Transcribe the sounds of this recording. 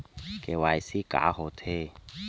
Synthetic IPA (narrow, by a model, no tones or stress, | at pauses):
kewajsika̰hot̪ʰe